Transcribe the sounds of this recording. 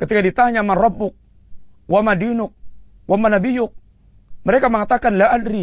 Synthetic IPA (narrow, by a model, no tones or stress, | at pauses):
kət̪ikadit̪aɲamanrɔbːʊk̚ | wamadinʊk̚ | wamanabijʊk̚ | məɾekaməŋat̪akanlaʔadɾi